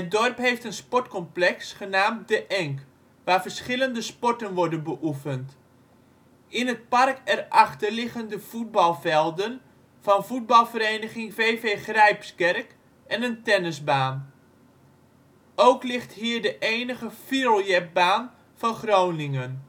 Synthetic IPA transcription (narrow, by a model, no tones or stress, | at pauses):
ət̚dɔrpɦejftənspɔtkɔmplɛksχənaːmdəʔɛŋk | ʋaːɹvərsχɪləndəspɔɹtənʋɔɹdənbəʔufənt | ɪnɦət̚parkɛrʔɑχtərlɪχəndəv̥ud̚bɑlˠvɛlˠdən | fɑnfud̚bɑlˠvəɾeːnəχɪŋveːveːχrɛjpskɛrk | ʔɛnəntɛnəzbaːn | owklɪxtɦiːɹdəʔeːnəɣəfirolˠjɛbaːn | fɔnχroːwnɪŋən